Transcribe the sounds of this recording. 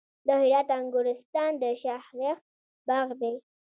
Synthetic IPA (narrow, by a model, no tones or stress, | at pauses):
d̪əhɪɾɑt̪aŋɡʊɾɪst̪ɑnd̪əʃahɾax | baɣd̪ej